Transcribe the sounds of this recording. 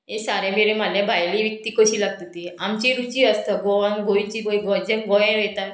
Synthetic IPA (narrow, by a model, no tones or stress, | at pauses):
ɦesaɾemeɾemalʱjabʱajliʋik̚t̪iːkəɕiːlaɡ̚t̪ət̪iamt͡ɕiɾut͡ɕiəst̪əɡoʋãnɡʱoit͡ɕiɡoĩɡod͡ʑẽnɡɔjẽɾɛt̪a